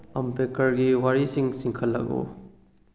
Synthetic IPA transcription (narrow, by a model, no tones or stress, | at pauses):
ɐmpekɐɾɡiwaɾisiŋsiŋkʰəlːɐ̰k̚ṵ